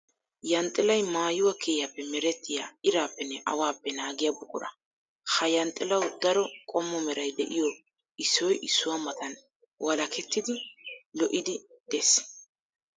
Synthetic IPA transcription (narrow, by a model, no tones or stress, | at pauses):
jɐnt̪ʼːɪlɐjmaːjʊwɐkʰeːjapːɛmɛɾɛt̪ːɪjaːɪɾaːpːɛnːɛʔɐwaːpːɛnaːɡɪjabʊkʼːʊ̰ɾɐ̰ | hɐjɐnt̪ʼːɪlɐwd̪ɐɾɔkʼɔmːɔmɛɾɐjd̪ɛʔɪjɔ | ɪsːɔjʔɪsːʊwamɐt̪ɐn | wʔɐlɐkɛt̪ːɪd̪ɪlɔʔɪd̪ɪd̪̥es